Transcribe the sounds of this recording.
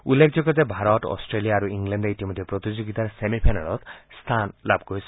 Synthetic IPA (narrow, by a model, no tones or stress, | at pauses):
ulːekʰd͡zɔkɔtebʱaɾɔtɔ̰sʈɾelijaːɾuiŋɡlenɖejʈimɔd̪ʱipɾɔt̪id͡ʒoɡit̪aɾsemipʰanalɔt̪st̪ʰanlabɡɔes